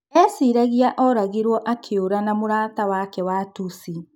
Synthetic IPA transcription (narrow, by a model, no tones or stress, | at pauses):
ɛsiɾaɣiaʔɔɾaɣeɾwɔʔakʰeoɾanamoɾaːtawakɛwatusi